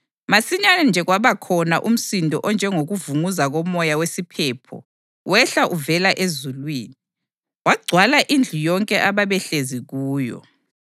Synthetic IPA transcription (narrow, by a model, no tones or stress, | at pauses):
masiɲanɛnd͡ʒʱɛɣwaβakʰɔnaʔum̩sindʱɔ̰ʔɔnd͡ʒʱɛŋoɣuvuŋuzaɣɔmɔjawesipʰɛːpʰɔ̰ | wʔɛɬaʔuvɛlaʔezulwiːni | waɡ͡ǀʱwalaʔind͡ɮʱujɔŋkʼɛʔaβaβɛɬeziɣuːjɔ̰